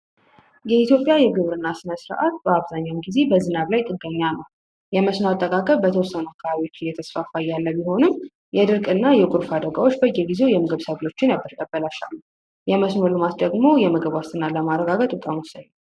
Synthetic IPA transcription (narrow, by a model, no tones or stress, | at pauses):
jɛit̪ʰjo̞pʼjajɛɡɨβɾɨnːasɨnəsɨɾ̰ʔat̪̚bəaβzaɲːawmɡize̞bəzɨnaβlajt̪ʼɨɡəɲːanəw | jɛməsnoat̪ʼːəkʼakʼəβbət̪ʰəwɔsːənuakʰːəβaβiwot͡ʃːɪjːɛt̪ʰəsfafajːalːəbiho̞nɨm | jɛd̪ɨɾkʼɨnːajɛkʼʊɾfad̪əɡawot͡ʃːbəjːɛɡize̞wjɛmɨɡɨβsaβo̞t͡ʃːɪnabəɾʼəbːəlaʃa̰lːu | jɛməsnolumat̪d̪əɡmo̞jɛməɡəβast̪ʰɨnːaləmaɾəɡaɡət̪ʼukʼamɔsəɲː